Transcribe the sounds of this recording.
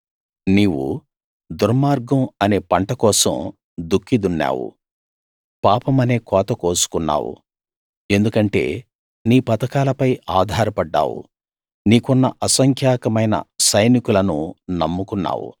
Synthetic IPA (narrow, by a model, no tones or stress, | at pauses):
niːwṵ | d̪uɾmaːɾɡɐmɐne̞ːpɐɳʈɐkɔːsɐ̰m | d̪ukʰːid̪unːa̰ːwṵ | paːpɐmɐne̞ːkɔːt̪ɐkoːsu̥kunːa̰ːwṵ | e̞nd̪ukɐɳʈe̞̰ː | niːpɐt̪ɐkaːlɐpɐjaːd̪ʱaːɾɐpɐɖːa̰ːwṵ | niːkunːɐ̰ʔɐsɐŋkʰjaːkɐmɐjnɐ̰sɐjnikulɐnunɐmːukunːa̰ːwṵ